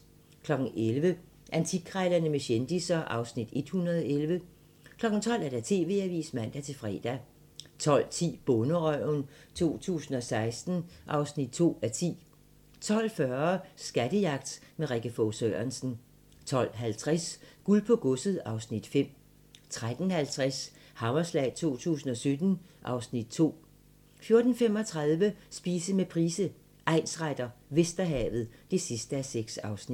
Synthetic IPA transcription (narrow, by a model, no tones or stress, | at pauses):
kʰlɒ̽ɡ̥n̩elʋə | ʔænt͡sʰiɡʰʁɑɪlɐnəmeɕend̥isɐʔɑ̈ʊsnid̥e̝d̥hunɐðˠɒelʋə | kʰlɒ̽ɡ̥n̩t͡sʰɒ̽l̰æɐd̥æt͡sʰe̝̰ːʋe̝̰ːæʋḭːsmæn̰d̥æt͡sʰe̝fʁɛ̰ːd̥æ | t͡sʰɒ̽l̰t͡sʰḭːb̥ɔ̽nəʁœʊnt͡sʰo̝̰ːt͡sʰṵːsn̩ɒ̽sɑ̈ɪsd̥n̩ʔɑ̈ʊsnid̥̚t͡sʰo̝̰ːæt͡sʰḭː | t͡sʰɒ̽l̰fɶɐsɡ̥æd̥əjɑ̈ɡ̥̚d̥meʁɛɡ̥əfɔsøɐnsn̩ | t͡sʰɒ̽l̰ɦælt͡sʰʁasɡ̥ulpʰɔ̽ɡ̥ɔsəð̩ˠɑ̈ʊsnid̥fem̰ | t͡sʰʁad̥n̩hælt͡sʰʁas | hɑ̈mɐslɛ̰ɪt͡sʰo̝̰ːt͡sʰṵːsn̩ɒ̽sød̥n̩ʔɑ̈ʊsnid̥̚t͡sʰo̝̰ː | fjo̝ɐd̥n̩fem̰ɒ̽t͡sʰʁɑ̈ðˠʋəsb̥iːsəmepʰʁiːsə | ʔɑ̈ɪ̰nsʁad̥ɐʋe̝sd̥ɐɦɛ̰ːʋð̞̩ˠd̥e̝sisd̥əæseɡ̥sɑ̈ʊsnid̥